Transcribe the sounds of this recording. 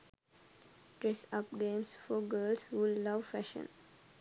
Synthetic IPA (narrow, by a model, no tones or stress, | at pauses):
ɖɾesʌp̚ɡẽːmsfɔɡəːlsʋɪlːʌʋfæʃə̰̃n